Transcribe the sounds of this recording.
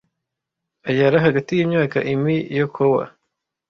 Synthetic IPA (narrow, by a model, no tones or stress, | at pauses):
ajaɾaɦaɡatijimɲaːka̰ʔimijokʰowa̰